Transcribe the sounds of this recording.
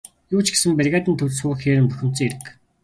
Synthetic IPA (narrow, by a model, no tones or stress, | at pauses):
juːt͡ɕɡe̥sɘ̆mpærɣæːt̪ɘ̆nt̪ʰɵwɮsʊːxeːɾɘ̆mpɵxʲɪ̆m̥t͡sĭeɾɘ̆k